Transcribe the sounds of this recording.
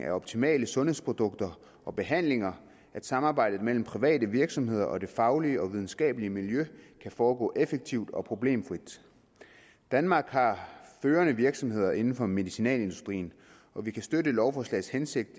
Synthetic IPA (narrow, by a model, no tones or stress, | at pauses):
ʔæɒ̽b̥t͡sʰimɛ̰ːləsɔ̽nhe̝̰spʰʁo̝d̥ɔ̽ɡ̥̚d̥ɐ | ʔɒ̽b̥e̝ɦæn̰le̝ŋɐ | æd̥sɑ̈mɑ̈ːb̥ɑ̈ɪ̰d̥ð̩ˠmel̰m̩pʰʁiʋɛ̰ːd̥əʋiɐɡ̥sɒ̽mhe̝ð̰ˠɐʔɒ̽d̥e̝fɑ̈ʊliəɒ̽ʋið̞ˠn̩sɡ̥ɛ̰ːb̥əliəmiljøkʰæfɒːɡ̥ɔ̰̽ːʔefeɡ̥̚t͡sʰiʊd̥ɒ̽pʰʁo̝b̥le̝̰ːmfʁid̥ | d̥ænmɑ̈ːɡ̥hɑ̈føːɐnəʋiɐɡ̥sɒ̽mhe̝ð̰ˠɐʔe̝nn̩fɒ̽me̝ðisinɛ̰ːle̝nd̥usd̥ʁḭːn̩ | ʔɒ̽ʋikʰæsd̥øɾəlɒʊfɒːslɛ̰ɪshense̝ɡ̥̚d̥